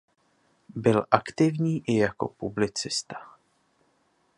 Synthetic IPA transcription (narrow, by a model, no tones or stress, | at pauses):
bɪlʔakt̪ɪvɲiːʔɪjako̞̰publɪt͡sɪst̪ḁ